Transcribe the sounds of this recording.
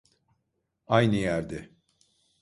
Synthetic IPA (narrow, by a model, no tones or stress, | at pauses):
ajnɯjæɾd̪ɪ